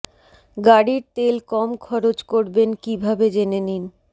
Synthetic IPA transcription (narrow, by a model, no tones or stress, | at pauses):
ɡaɽiɾt̪elkɔmkʰɔɾod͡ʑkoɾbenkibʱabed͡ʑenenin